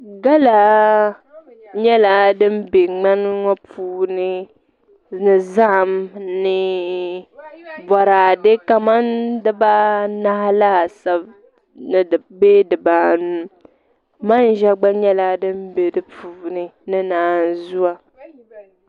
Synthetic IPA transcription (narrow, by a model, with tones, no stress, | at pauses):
ɡa˦la˨ | ɲɛ˦la˨dɨ˦m˦be˨ŋ͡ma˦n˦ŋɔ˦puː˨nɨ˦ | nɨ˨za˦˨mnɨ˨ | bɔ˨ɾaː˨de˦ka˨ma˦ndɨ˦ba˦na˦hla˦˨sa˦b | nɨ˨beː˦dɨ˨baː˨nu˨m | ma˦n˦ʒɛ˦ɡ͡ba˦ɲɛ˦la˨˦dɨ˦mbe˨dɨ˦pʰuː˨nɨ˨nɨ˦naː˨˦n˨zu˦a˨